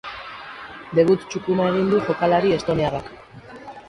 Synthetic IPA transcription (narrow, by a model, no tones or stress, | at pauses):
d̪e̞βut̪t͡ʃukunae̞ɣ̞ind̪uʝo̞kalaɾie̞st̪o̞niarak